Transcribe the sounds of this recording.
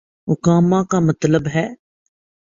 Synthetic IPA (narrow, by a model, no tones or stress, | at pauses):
ɦʊkaːmãːkamət̪ləbɦɛː